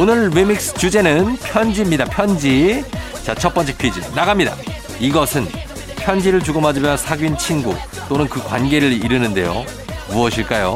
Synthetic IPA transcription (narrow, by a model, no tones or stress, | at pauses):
onɯɭwimik̚s͈ɯ̥t͡ɕud͡ʑe̞nɯnpʰjʌnd͡ʑimɲidapʰjʌnd͡ʑi | t͡ɕat͡ɕʰʌp͈ʌnt͡ɕ͈epʰɥid͡ʑḭnaɡamɲida̰ | iɡʌsʰɯn | pʰjʌnd͡ʑiɾɯɭt͡ɕuɡomad͡ʑimjʌnsʰaɡɥint͡ɕʰiŋɡṵ | t͈onɯnkɯkwanɡe̞ɾɯɭiɾɯnɯnde̞̰jo̰ | muʌɕʰiɭk͈ajo